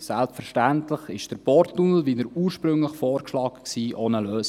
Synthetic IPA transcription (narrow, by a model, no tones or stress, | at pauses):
sɛlpfəɾʃtæntləχɪʃd̥əɾbɔɾtːunl̩ˠʋidəɾuːɾʃpɾɵŋləχfɔːɾʃlɑːkksiːʔoːnəløːs